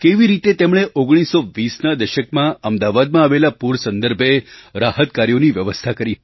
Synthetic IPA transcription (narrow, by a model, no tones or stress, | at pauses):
keʋiɾit̪et̪emɽ̃eʔoɡɽ̃isːoʋisnad̪əʃəkmãəmd̪aʋad̪mãːʋelapuɾsənd̪əɾbʱeɾahət̪̚kaɾjoniʋjəʋəst̪ʰakəɾi